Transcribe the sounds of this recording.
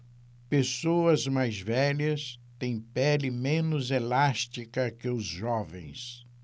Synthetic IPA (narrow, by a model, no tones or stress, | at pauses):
pesoɐzmajzvɛʎɐst̪ẽj̃pɛlɪmẽnʊzelast͡ʃikɐkɪʊzʒɔvḛ̃j̃s